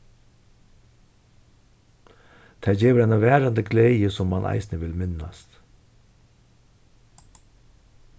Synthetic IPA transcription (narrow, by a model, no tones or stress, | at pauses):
t̪ʰaːd͡ʒɛːʋəɾajnavæːɾand̪əɡlɛːjəsɔmːanʔa̰jsnəʋɪlmɪnːast̪